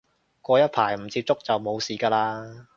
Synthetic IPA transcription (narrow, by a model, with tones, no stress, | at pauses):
kʷɔː˧jɐ˥t̚pʰaː˨˩jm̩˨˩t͡siː˧p̚t͡sʊ˥k̚t͡sɐ˨wmo˨˧wsiː˨˧kaː˧laː˧